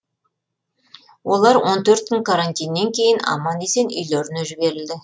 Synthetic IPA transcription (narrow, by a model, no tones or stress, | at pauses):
wʔo̞lˠɑɾwo̞nt̪ʰɵɾt̪ːɪŋkʰaɾant̪ijnːe̞ŋkʲʰe̞jɪnɑ̰mɑne̞se̞nʏ̰jleɾɪneʒɪbe̞ɾɪld̪ɪ